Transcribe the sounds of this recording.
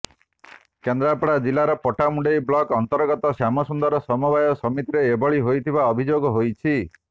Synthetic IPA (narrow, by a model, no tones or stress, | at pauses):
kend̪ɾapɔɽad͡ʒilaɾɔpɔʈamuɳɖejbɭɔkɔnt̪ɔɾɡɔt̪ɔsjamɔsund̪ɔɾɔsɔmubajɔsɔmit̪iɾeːbɔɭiɦojt̪ʰibaɔbʱid͡ʒoɡɔɦojt͡ʃʰi